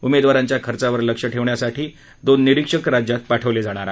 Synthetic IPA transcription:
umed̪ʋaɾaɲt͡ɕjakʰəɾt͡saʋəɾləkʂəʈʰeʋɳjasaʈʰiː | d̪onːiɾikʂəkɾad͡ʑjat̪̚paʈʰəʋled͡zaɽ̃aɾa

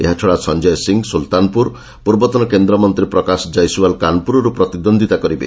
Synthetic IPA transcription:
eɦat͡ʃʰɔɽasɔnd͡ʒɔjsiŋsult̪anpuɾ | puɾbɔt̪ɔnɔkend̪ɾɔmɔnt̪ɾipɾɔkasɔd͡ʒajsuwalkanpuɾɔɾupɾɔt̪id̪ɔnd̪ʱit̪akɔɾibḛ

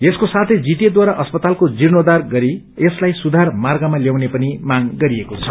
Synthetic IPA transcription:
eskosat̪ʰed͡zit̪jed̪waɾaʔʌspʌt̪alkod͡zirnod̪arɡʌɾi | eslajsud̪ʱarmarɡamaljawnepʌnimaɡɡʌɾiekot͡sʰʌ

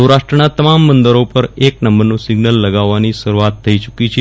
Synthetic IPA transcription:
əwɾaʂʈɾənat̪əmamːənd̪əɾopəɾeknəmbəɾnũsɪɡnəlːəɡaʋːaniʃəɾuat̪ʰːəit͡ʃukit͡ʃʰe

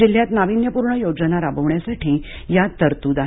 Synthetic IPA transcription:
il̤jat̪naʋinjəpuɾɳəjod͡zənaɾabəʋɳjasaʈʰiː | jat̪əɾt̪uːd̪a

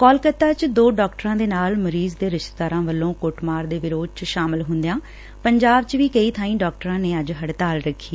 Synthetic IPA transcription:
kɔːlkət̪ːaːt͡ʃd̪oːɖɔːkʈəɾãːd̪eːnaːlməɾiːzd̪eːɾɪʃt̪d̪aːɾãːʋəlːõːkoʈmaːɾd̪eːʋɪɾoːd̪̚t͡ʃʃaːmɪlɦʊnd̪jãː | pəɲd͡ʒaːbt͡ʃʋiːkəiːt̪ʰãːĩːɖɔːk̚ʈəɾãːneːəd͡ʒɦəɽt̪aːlɾəkʰːiː

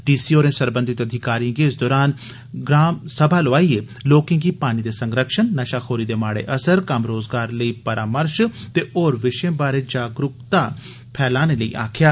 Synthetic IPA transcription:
ɖiːsiːoːɾẽːsəɾbənd̪ɪt̪əd̪ʱɪkaːɾijãŋɡeɪsd̪ɔːɾaːn | ɡɾaːmsəbʱaːloaːiːeː | loːkɪ̃ŋɡiːpaːñiːd̪eːsə̃ŋɡɾəkʃənːəʃaːxʰoːɾiːd̪eːmaːɽḛːʔəsəɾkəmɾoːzɡaːɾləiːpəɾʔaːməɾʃt̪eːʔoːɾʋɪʃẽːbaːɾeːd͡ʒaːɡɾʊkt̪aː | pʰɛːlaːneləḭːʔa̰ːkʰjaː

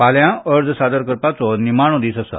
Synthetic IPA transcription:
paljãəɾd͡zsad̪əɾkəɾpat͡sɔnimaɳ̃õd̪iːsəsə̰

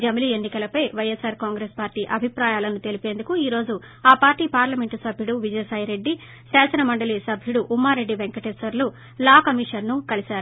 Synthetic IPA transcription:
d͡ʒɐmlie̞nːikɐlɐpɐjʋɐjesaːɾkaːŋɡɾeːspaːɾʈiːʔɐbʱipɾaːjaːlɐnut̪e̞lipe̞ːnd̪ukuiːɾo̞ːd͡ʒu | aːpaːɾʈiːpaːɾlɐme̞ɳʈusɐbʱjuɽuʋid͡ʒɐjsaːjɾe̞ɖːi | saːsɐnɐmɐɳɖɐlisɐbʱjuɽuʔːmːaːɾːe̞ɖːiʋeŋkɐʈesɐɾlu | laːkɐmiːʂɐnnukɐlisaːɾu

